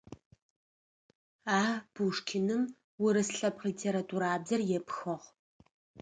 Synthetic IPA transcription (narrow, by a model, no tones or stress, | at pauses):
aːb̥uʂkʲʰɪnɨm | wʊɾɨsɬɐpʰqliːtʰeːɾatʰuɾaːbzɐrjɛpxɐʁ